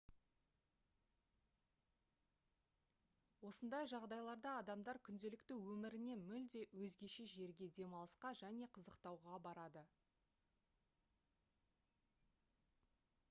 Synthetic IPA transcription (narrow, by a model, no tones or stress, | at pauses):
wo̞sənd̪ɑjʒɑʁd̪ɑjlˠɑɾd̪ɑːd̪ɑmd̪ɑɾkʲʰʏnd̪e̞lɪkt̪ɪwɵmɪɾɪne̞mʏld̪e̞wɵzɡʲe̞ʃe̞ʒe̞ɾɡʲe̞d̪e̞mɑlˠəsqɑʒæne̞qʰəzəqt̪ɑwʁɑbɑɾɑd̪ə